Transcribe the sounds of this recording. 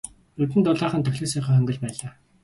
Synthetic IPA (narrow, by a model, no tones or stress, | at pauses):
ɵt̪ɘ̆nt̪ʊɮaːχə̆nt̪ʰɵxɮeːsœːχiːχœŋɡɵ̆ɮpæːɮaː